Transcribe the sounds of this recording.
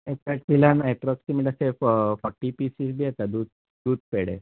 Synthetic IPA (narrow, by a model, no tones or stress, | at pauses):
ekɛʈbilanajpɾɔksimiʈasefɔʈːipisis̬bʱiat̪ad̪ud̪̚ | d̪uːd̪̚peɽḛ